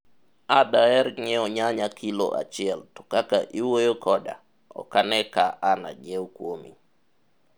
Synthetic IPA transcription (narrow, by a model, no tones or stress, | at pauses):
adaɛɾŋɛɔɲaɲakʰilo̰ʔa̰t͡ʃɪɛltɔ̥kakaʔiwojokʰɔda̰ | ɔ̰kanɛkaʔana̰d͡ʒɛokwomḭ